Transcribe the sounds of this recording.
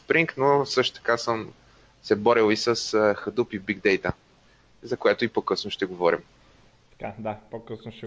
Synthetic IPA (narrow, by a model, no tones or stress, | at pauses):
spɾiŋknosɤʃt̪o̥t̪ɐ̥kasəm | sɛbɔɾilˠisəsəxəd̪upibiɡd̪ɛjt̪ə | zɐkojɛt̪ʊipokɤsnoʃt̪ɛɡovɔɾḭm | t̪ɐ̥kad̪apokəsnoʃɛ